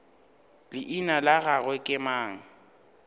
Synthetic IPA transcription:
lɪʔinalaɣaɣwɛkʼɪmaːŋ̩

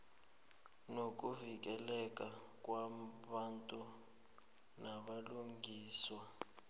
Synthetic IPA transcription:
nok̬uvik̬ɛlɛk̬ʼa | k̬ʼwaɓantʼu | naɓaluŋiːswa

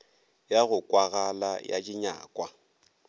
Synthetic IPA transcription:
jaɣʊkʼwaɣalaja̰t͡ʃʼɪɲa̰ːkʼwa

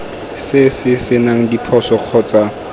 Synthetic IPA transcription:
sɪsɪsɪnaŋ̩dipʰɔsɔq͡χʰɔːt͡sa

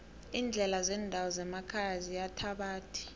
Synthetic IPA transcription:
iːnd͡ɮʱɛlazɛːndʱawɔzɛmakʰajazijatʰaɓaːtʰi̥

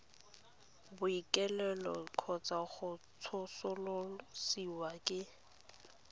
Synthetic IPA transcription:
bʊikʼɛlɛlɔ̰kʰɔt͡sʼaχʊ | t͡sʰʊsʊlʊsiwakʼɪ

